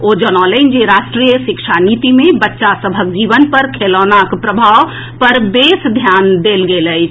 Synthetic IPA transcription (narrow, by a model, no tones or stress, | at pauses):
od͡ʒənɔlənd͡ʒeɾaʃʈɾijəsikʃʰanit̪imebətːʃasəbʱəkd͡ʒiʋənpəɾkʰelɔnakpɾəbʱaw | pəɾbesd̪ʱjand̪elɡeləjt͡ʃʰ